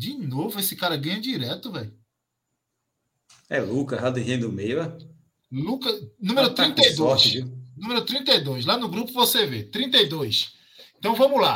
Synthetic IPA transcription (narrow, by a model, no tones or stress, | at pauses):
d͡ʒɪnovʊesɪkaɾɐɡɐ̃ɲɐd͡ʒiɾɛt̪ʊvɛj | ɛlukɐɦad̪iɦẽd̪ʊmejɛ | lukɐnũmeɾʊt̪ɾĩnt̪ed̪oɔʃvinũmeɾʊt̪ɾĩnt̪ejd̪ojʃ̬lanʊɡɾupʊvosevet̪ɾĩnt̪ejd̪ojʃ | ẽt̪ɐ̃w̃vɐ̃mʊla